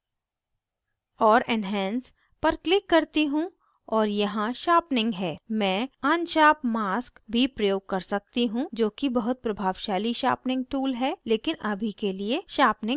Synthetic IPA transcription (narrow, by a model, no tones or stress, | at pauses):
ɔːɾɛnɦɛ̃ːns | pɐɾklɪkːɐɾt̪iɦũ | ɔːɾjɐɦãʃaːpnɪ̃ŋɡɦɛːmɛ̃ːaːnʃaːpmaːskbʱipɾɐjoːɡ̚kɐɾsɐk̚t̪iɦũd͡ʒoːkibɐɦʊt̪̚pɾɐbʱaːʋʃaːliʃa̰ːpnɪ̃ŋɡ̚ʈuːlɦɛleːkɪnɐbʱikelieʃaːpnɪ̃ŋ